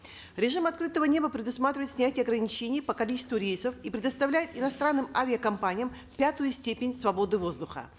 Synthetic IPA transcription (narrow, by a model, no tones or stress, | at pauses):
ɾʲɪʐɨmɐt̪̚kɾɨt̪əvənʲe̞bəpɾʲɪd̪ʊsmat̪ɾʲɪvəjt̪sʲnʲætʲɪjɐɡɾənʲɪt͡ɕenʲɪjəpəkɐlʲit͡ɕɪst̪vʊɾʲejsəfipɾʲɪd̪əst̪ɐvlʲæjɪt̪ɪnɐst̪ɾanːɨmavʲɪəkɐmpanʲɪjəm | pʲæt̪ʊjʊsʲtʲepʲɪnʲsvɐbo̞d̪ɨvo̞zd̪ʊxə̰